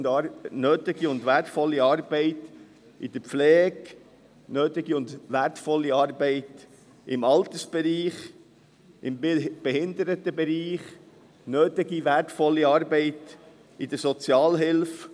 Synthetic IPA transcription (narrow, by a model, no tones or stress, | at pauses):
nøːt̪ɪɡiʊnd̪ʋæɾtfɔlːiɑːɾbɛɪt | id̥̪əpflɛːɡ | nøːt̪ɪɡiʊndʋæɾtfɔlːiɑːɾbɛɪt | ɪmɑlt̪əsb̥ɛɾiːχ | ʔɪmb̥ɛhɪnd̪əɾətəbɛɾiːχ | nøːtɪɡiʋæɾtfɔlːiɑːɾbɛɪt | id̥̪əɾsɔt͡sjɑːlɦɪlf